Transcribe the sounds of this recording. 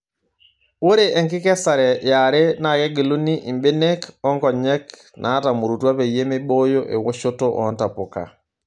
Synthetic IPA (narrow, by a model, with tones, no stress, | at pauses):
wo˦ɾeʔɛ˨ŋki˦kɛ˦sa˨ɾɛ˨ja˨ɾe˦na˨ke˦ɡi˨lu˦ni˦ʔi˨mbe˦ne˦kɔ˦ŋkɔ˨ɲɛ˦k | nʔa˨˦ta˨mu˨ɾu˨twa˦pe˨je˦me˦ɓo˦jo˦ʔḛ˨wo˦ʃo˦to˦ʔɔ̰˨nta˨po˨ka̰˨